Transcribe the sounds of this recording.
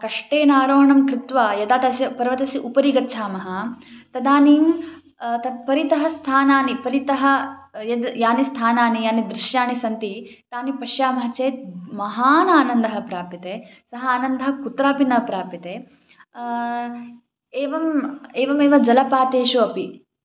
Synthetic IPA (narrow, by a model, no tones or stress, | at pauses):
kɐʂʈeːnaːɾoːɳɐmkɾɪt̪ʋajɐd̪aːt̪ɐsjɐpɐɾʋɐt̪ɐsiʔupɐɾiɡɐtːt͡ʃʰaːmɐɦɐt̪ɐd̪aːniːm | t̪ɐpɐɾit̪ɐɦɐst̪ʰaːnaːnipɐɾit̪ɐɦɐjɐd̪jaːnist̪ʰaːnaːnijaːnid̪ɾiʃjaːnisɐnt̪it̪aːnipɐʃjaːmɐɦɐt͡ʃeːt̪̚mɐɦaːnaːnɐnd̪ɐɦɐpɾaːpjɐt̪eː | sɐɦɐaːnɐnd̪ɐɦɐkut̪ɾaːpinɐpɾaːpjɐt̪eː | eːʋɐmeːʋɐmeːʋɐd͡ʒɐlɐpaːt̪eːʃuɐpi